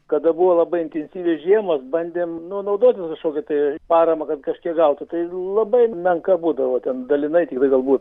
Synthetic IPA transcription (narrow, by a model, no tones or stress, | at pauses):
kɐd̪ɐbuːʋoːlˠɐbɐɪɪnʲt̪ʲɛnʲsʲiːʋʲesʒʲiɛmoːsbɐnʲd̪ʲeːmnʊnɐʊd̪oːt̪ʲɪskɐʃkoːkʲɛt̪ɐɪpɑːɾɐmɐkɐt̪kɐʃkʲiɛɡɐlˠt̪ʊt̪ɐɪlˠɐbɐɪmʲɛŋkɐbuːd̪ɐʋoːt̪ʲɛnd̪ɐlʲɪnɐɪt̪ʲɪkt̪ɐɪɡɐlˠbuːt̪